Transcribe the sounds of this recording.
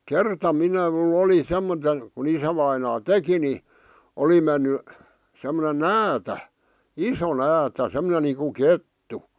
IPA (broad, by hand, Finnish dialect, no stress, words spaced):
kertɑ minæ m̩l oli semːote ku isæʋɑinɑː teki ni oli menːy semːone næːtæ iso næːtæ semŏnen niːku ketːu